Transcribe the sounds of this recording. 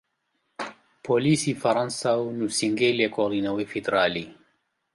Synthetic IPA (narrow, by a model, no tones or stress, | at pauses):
polisifaɾãnsawnusiŋɡelekoʁd̪inawefid̪eɾali